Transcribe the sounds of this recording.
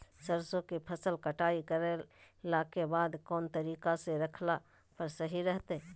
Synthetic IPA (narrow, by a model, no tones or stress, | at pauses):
səɾsõkipʰɐsəlkɐʈaːikəɾe | lakebaːd̪kɔːnt̪ɐɾiːkaseɾɐkʰla | pəɾsəɦiɾɛɦt̪e